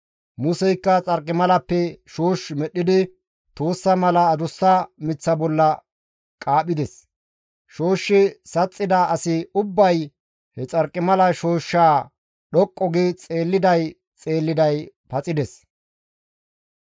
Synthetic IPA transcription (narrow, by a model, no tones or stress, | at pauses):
mʊsɛjkːɐt͡sʼɐɾkʼːɪmɐlɐpːɛʃo̞ːʃmɛɗːɪd̪ɪ | t̪oːsːɐmɐlɐːd̪ʊsːɐmɪt͡sːɐbɔlːɐ | kʼaːɓɪd̪ɛs | ʃoːʃːɪsɐt͡sʼːɪd̪aɐsɪʊbːɐj | hɛt͡sʼɐɾkʼːɪmɐlɐʃo̞ːʃːaː | ɗɔkʼːɔɡɪt͡sʼe̞ːlːɪd̪ɐj | t͡sʼe̞ːlːɪd̪ɐj | pɐt͡sʼɪd̪ɛs